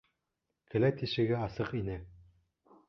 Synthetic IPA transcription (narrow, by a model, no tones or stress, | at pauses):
kʰɘ̆læt̪iʃɘ̆ɡɘɑsɤqinɘ